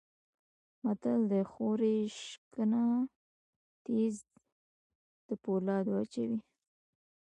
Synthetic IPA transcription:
mat̪ald̪əxoɾeʃkəna | t̪iz | d̪̥əpolɑd̪wat͡ʃawi

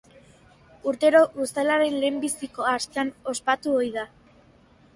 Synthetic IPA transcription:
uɾt̪e̞ɾo̞ɣust̪alaɾe̞nle̞ːmbisiko̞ask̪eano̞spat̪uojða

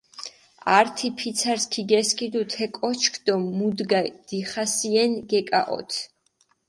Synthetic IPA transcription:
aɾt̪ʰipʰit̪sʰaɾskʰiɡɛskʰid̪ut̪ʰɛkʼɔt͡ʃʰkʰd̪̥ɔmːud̪ɡad̪̥iχasiɛnɡɛkʼa̰ʔɔ̰t̪ʰ

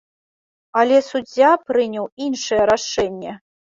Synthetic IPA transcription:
alʲɛsud͡zʲːapɾɨnʲɐwinʂɨjɛɾaʂɛnʲːɛ

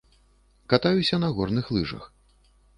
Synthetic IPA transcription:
kat̪ajusʲɐnɐɣɔrnɨxlˠɨʐɐ̰x

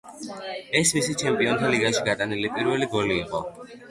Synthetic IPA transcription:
ɛsmisit͡ʃʰɛmpʼiɔnt̪ʰaliɡaʃiɡat̪ʼanilipʼiɾwɛliɡɔliːqʼɔ̰

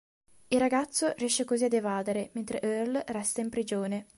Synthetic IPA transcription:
ilraɡat̪sːorjɛʃːekoziad̪evaːd̪eɾement̪ɾeʔørlrɛst̪aimpɾid͡ʒoːne

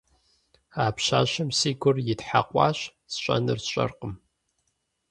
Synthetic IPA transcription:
aːpɕa̰ːɕɐmsiːɡʷʊrjɪtħaqʷʼɑ̰ːɕ | sɕʷʼɐ̰nɨrɕʷʼɐ̰rqəm

